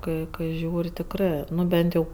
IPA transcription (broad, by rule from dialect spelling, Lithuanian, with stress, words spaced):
ˈkɐɪ kɐɪ ˈʒʲuːrʲɪ tʲɪkˈrɜ ˈnʊ ˈbʲɛnt jɛʊ